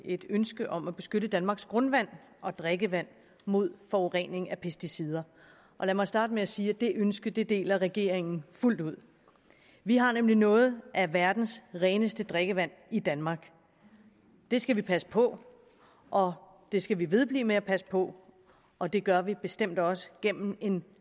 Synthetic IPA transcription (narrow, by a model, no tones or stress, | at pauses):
e̝d̥ønsɡ̥əʔɒ̽mæb̥e̝sɡ̥øɾəd̥ænmɑ̈ːɡ̥sɡ̥ʁɔ̽nʋæn̰ | ʔɒ̽d̥ʁeɡ̥əʋæn̰ | mo̝ð̞̰ˠfɒʁḛn̰e̝ŋæpʰesd̥isið̞ˠɐ | ʔɒ̽læmɑ̈ɪsd̥ɑ̈ːd̥əmeæsiːæd̥e̝ʔønsɡ̥ɐd̥e̝d̥e̝̰ːlɐʁɛɡ̥e̝̰ːɐ̰eŋn̩ful̰d̥uð̞̰ˠ | ʋiɦɑ̈nemlinɔ̽ːð̞̩ˠʔæʋæɐd̥n̩sʁɛːnəsd̥əd̥ʁeɡ̥əʋæn̰id̥ænmɑ̈ːɡ̥ | d̥e̝sɡ̥æʋipʰæsə̥pʰɒ̽ | ʔɒ̽ | d̥e̝sɡ̥æʋiʋe̝ð̞ˠb̥lḭːmeæpʰæsə̥pʰɒ̽ | ɒ̽d̥e̝ɡ̥ɶɐʋib̥e̝sd̥em̰d̥ɒ̽sə̥ɡ̥em̰m̩e̝n